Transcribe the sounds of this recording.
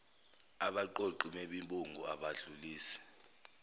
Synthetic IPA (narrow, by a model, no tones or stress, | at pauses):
aɓaǃoǃumɛɓimbʼuŋɡʱɔaɓaɮuliːsɛ̥